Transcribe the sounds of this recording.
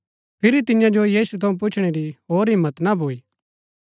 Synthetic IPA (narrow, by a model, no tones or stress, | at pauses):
pʰɪɾit̪ɪnɪjãd͡ʒojiːsut̪ʰɐũp̬ʊt͡ʃʰɽ̃eɾiɦoːɾɦɪmːət̪nabʱoːiː